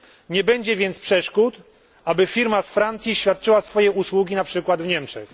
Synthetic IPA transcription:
ɲɛbɛɲd͡ʑɛvʲjɛnt̪spʂɛʂkut̪ | abɘfʲiɾmasfɾant̪sʲjiɕfʲjat̪̚t͡ʂɘwasfɔjɛuswuɡʲinapʂɘkwad̪vɲɛmt͡ʂɛ̰x

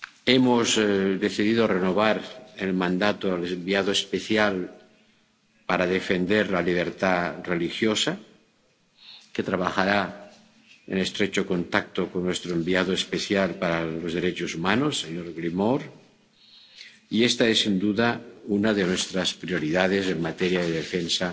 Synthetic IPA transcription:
emozðe̞θiðiðorenoβ̞aɾelmãnd̪at̪oalembiaðoespeθjal | paɾaðe̞fe̞nd̪e̞ɾlaliβ̞e̞ɾt̪arelixjosa | ket̪ɾaβ̞axaɾa | ḛne̞st̪ɾet͡ʃoko̞nt̪ak̚t̪okonːwe̞st̪ɾoembiaðoespeθjalpaɾalozðeɾet͡ʃosumanosːeɲoɾɣlimoɾ | iest̪aesːind̪uðaunaðenwest̪ɾaspɾio̞ɾiðað̞e̞se̞mmat̪eɾjaðeðefensa

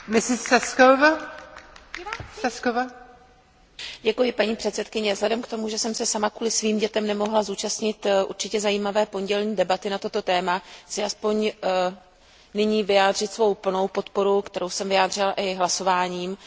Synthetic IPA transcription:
mɪsɪsːaskova | saskova | ɟɛkujɪpaɲiːpr̥ɛt̪sɛt̪kɪɲɛvzɦlɛdɛmkt̪o̞muʒɛsɛmsɛsamakuːlɪsviːmɟɛt̪ɛmnɛmo̞ɦlazuːt͡ʃast̪ɲɪt̪ʔṵɾt͡ʃɪcɛzajiːmavɛːpo̞ɲɟɛlɲiːdɛbat̪ɪnat̪o̞t̪o̞t̪ɛːmat͡sɪʔaspo̞ɲ | nɪɲiːvɪjaːd̪r̝ɪt̪svo̞wpl̩no̞wpo̞t̪po̞ɾukt̪ɛɾo̞wsɛmvɪaːd̪r̝ɪlaʔɪɦlaso̞vaːɲiːm

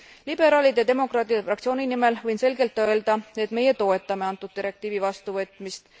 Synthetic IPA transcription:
lib̥e̞ɾɑːlid̪̥ed̪e̞mo̞krɑːt̪ˑid̪efrɑkt̪sio̞ːnʲinime̞lvɤjnse̞lɡe̞lt̪ːˑø̞e̞ld̪̥ɑe̞t̪ːme̞jet̪o̞ːe̞t̪ːˑɑmeɑnt̪ːˑud̪̥̚t̪iɾe̞kt̪iːvivɑst̪uvɤt̪ˑmist̪

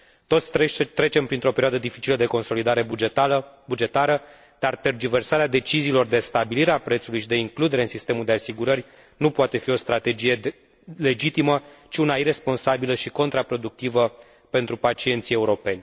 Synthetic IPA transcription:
t̪o̞t̪sʲt̪ɾe̞t͡ʃe̞mpɾint̪ɾo̞peɾioad̪əd̪ifit͡ʃiləd̪e̞ko̞nso̞lid̪aɾe̞bud͡ʒabud͡ʒe̞t̪aɾə | d̪̥art̪e̞rd͡ʒive̞rsaɾead̪e̞t͡ʃiziːlo̞rd̪e̞st̪abiliɾeapɾet̪sulujʃid̪e̞iŋklud̪e̞ɾe̞ɨnsist̪e̞muld̪e̞asiɡuɾəɾʲ | nupoat̪e̞fio̞st̪ɾat̪ed͡ʒije̞ | le̞d͡ʒit̪imət͡ʃiunaire̞spo̞nsabiləʃiko̞nt̪ɾapɾo̞d̪uk̚t̪ivə | pe̞nt̪ɾupat͡ʃie̞nt̪sie̞uɾo̞pe̞nʲ

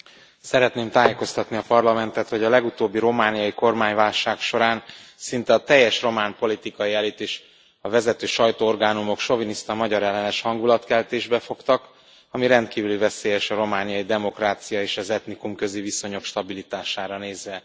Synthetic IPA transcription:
sɛɾɛt̪neːmt̪aːjeko̞st̪ɒt̪niɒpɒrlɒmɛnt̪ɛt̪ho̞ɟɒlɛɡut̪oːbːiɾo̞maːnijɒjiko̞rmaːɲvaːlʃaːkʃo̞ɾaːnsint̪ɛɒt̪ɛjːɛʃro̞maːnpo̞lit̪ikɒiɛlit̪eːʃ | ɒvɛzɛt̪øːʃɒjt̪oːorɡaːnumo̞kʃo̞vinist̪ɒmɒɟɒɾɛlːɛnɛʃhɒŋɡulɒt̪kɛlt̪eːʒbɛfo̞kt̪ɒk | ɒmiɾɛnt̪kiːvylivɛseːjɛʃɒɾo̞maːnijɒjid̪ɛmo̞kraːt̪sijɒeːʃɒzɛt̪nikumkø̞ziviso̞ɲo̞kʃt̪ɒbilit̪aːʃaːɾɒneːzʋɛ

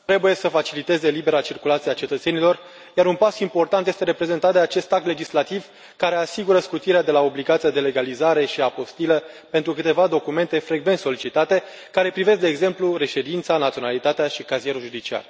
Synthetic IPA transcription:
t̪ɾe̞buje̞səfat͡ʃilit̪e̞ze̞libe̞ɾat͡ʃirkulat̪siat͡ʃe̞t̪ət̪se̞nilo̞r | jaɾunpasimpo̞rt̪ant̪jest̪eɾe̞pɾe̞ze̞nt̪at̪̚d̪eat͡ʃe̞st̪akt̪le̞d͡ʒislat̪iv | kaɾe̞asiɡuɾəskut̪iɾead̪e̞lao̞bliɡat̪siad̪e̞le̞ɡalizaɾe̞ʃiapo̞st̪ilə | pe̞nt̪ɾukɨt̪e̞vad̪o̞kume̞nt̪e̞fɾeɡve̞nt̪so̞lit͡ʃit̪at̪e̞ | kaɾe̞pɾivesk̚d̪e̞ːɡze̞mpluɾe̞ʃe̞d̪int̪sanat̪sionalit̪at̪eaʃikazie̞ɾuʒud̪it͡ʃia̰r

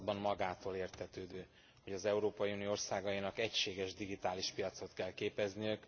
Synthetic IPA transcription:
bɒmmɒɡaːt̪oːleːrt̪ʰɛt̪øːd̪øː | ho̞ɟɒzɛuɾoːpɒjiunijoorsaːɡɒinɒkɛcʃeːɡɛʒd̪iɡit̪aːliʃpijɒt̪so̞t̪kɛlkeːpɛznijøk

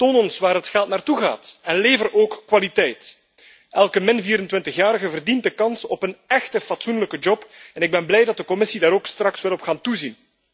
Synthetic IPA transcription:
toːnɔnsʋaːrɦətxɛlˠt̚naːrtuɣa̰ːtɛnleːvəroːkːwalitɛjt | ɛlˠkəmɪnviːɾəntʋɪntəxjaːɾəɣəvərdint̚dəkɑnsɔpənɛxtəfɑtsunləkəd͡ʒɔpɛnɪɡ̚bɛnblɛjdɑt̚dəkɔmɪsidaːɾoːkstrɑkswɛlɔpxaːntuzin

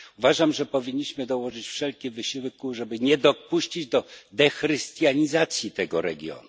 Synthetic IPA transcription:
uvaʐamʐɛpɔvʲiɲːiɕmɘd̪ɔwɔʐɘt͡ɕfʂɛlkʲivɘɕiwkuʐɛbɘɲɛd̪ɔpuɕt͡ɕid͡ʑd̪ɔd̪ɛxɾɘst̪jaɲizat̪sʲjit̪ɛɡɔɾɛ̰ɡʲjɔ̰nu

